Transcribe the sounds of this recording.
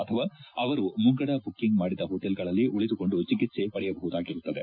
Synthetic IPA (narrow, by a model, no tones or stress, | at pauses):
ɐt̪ʰɐʋaːɐʋɐɾumuŋɡɐɽɐbukːiŋɡmaːɽid̪ɐɦoːʈelɡɐɭɐlːiʔuɭid̪uko̞ɳɖut͡ʃikːit̪se̞pɐɽɛjɐbɐɦud̪aːɡiɾut̪ːɐd̪e